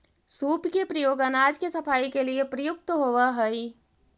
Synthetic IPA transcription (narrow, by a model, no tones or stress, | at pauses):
suːpkepɾəjoːɡənaːd͡ʒkesɐpʰaːikeliepɾɐjʊk̚t̪əɦoːʋaɦəi